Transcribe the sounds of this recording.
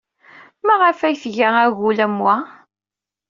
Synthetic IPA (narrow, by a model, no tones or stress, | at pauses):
mæʁəfæjθʝaæɣulæmwæ